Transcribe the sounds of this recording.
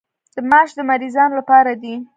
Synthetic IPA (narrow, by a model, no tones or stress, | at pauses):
d̪̥əmaʃd̪əmaɾizɑnolapɑɾad̪i